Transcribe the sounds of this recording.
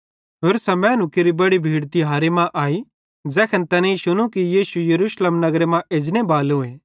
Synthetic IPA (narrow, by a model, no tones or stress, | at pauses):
ɦoːɾsɐmɛ̃ːnʊkɪɾibɐɽibʱiːɽt̪iɦaːɾemãʔaːi | d͡ʒɛːkʰɛnt̪ɛːnẽisʊñũkijiːsujɐɾuːʃlemnɐɡɾemãʔeːd͡ʒnebaːlɦʊeː